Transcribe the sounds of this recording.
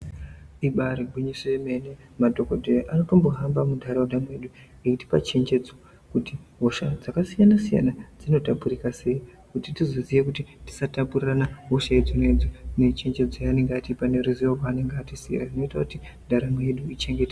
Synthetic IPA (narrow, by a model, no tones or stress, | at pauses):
iɓaɾiɡʱwiɲiseeme̞ne | madʱo̞kodʱejaʔano̞to̞mbo̞ɦambamudʱaɾawdʱamwe̞ɗuŋɡekuti̥pa̰t͡ʃe̞nd͡ʒe̞d͡zo | kutiɦo̞ʃad͡zakasijanasija̰nad͡zino̞tapurikase̞i | kutitizo̞zijekutiti̥satapuriranaɦo̞ʃaed͡zinoed͡zane̞t͡ʃe̞nd͡ʒe̞d͡zojane̞ŋɡeatipane̞ɾuzijoɦwaːne̞ŋɡeatisḭrarinoitakuti | ndʱaɾame̞ɗuit͡ʃe̞ŋɡe̞ta